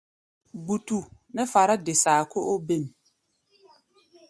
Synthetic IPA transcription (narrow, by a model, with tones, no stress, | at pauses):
bu˨tu˨ | nɛ˦fa˨ɾa˦dɪ˨saː˨kʰʊ˦ʔo˦be˦˨n˨